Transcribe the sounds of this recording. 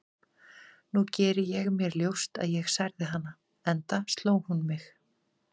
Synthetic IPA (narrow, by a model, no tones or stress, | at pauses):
nucɛːɾɪjɛɣmjɛɾljowst̪a̰ðjɛɣsajɾðɪɦanːa | ɛnt̪ast̪loːwhunmɪx